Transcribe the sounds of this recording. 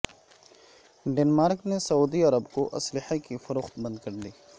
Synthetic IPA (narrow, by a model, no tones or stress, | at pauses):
ɖeːnmaːɾknesɐuːd̪iɐɾəbkoʔɐslɪħakifɐɾoːxt̪bɐ̃nd̪̚kɐɾd̪iː